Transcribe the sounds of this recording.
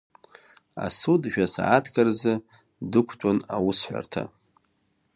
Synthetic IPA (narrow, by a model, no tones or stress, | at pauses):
a̰sudʒᶣasaʕatʰɡarzɨ | dɨkʷʰtʼanawʊsħʷᶣa̰rtʰa̰